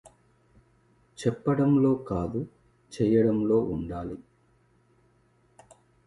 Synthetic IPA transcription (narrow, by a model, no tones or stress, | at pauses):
t͡ʃɛpːɐɽɐmlo̞ːkaːd̪u | t͡ʃɛːjɐɽɐmlo̞ːʔuɳɖaːli